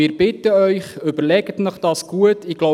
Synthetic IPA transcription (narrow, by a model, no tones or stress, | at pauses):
ɪːɾb̥ɪtəœʏχʏbəɾlɛɡət̪nəχd̥ɑːsɡ̥uətɪɡ̥lɔ